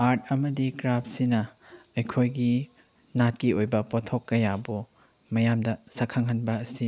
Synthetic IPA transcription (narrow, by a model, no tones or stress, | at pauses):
aɾt̚ʰɐmɐdikɾap̚sinɐɐjkʰojɡi | nat̚kiojbɐpotʰokːɐjabu | mɐjamdɐsɐkʰaŋɦɐnbɐːsi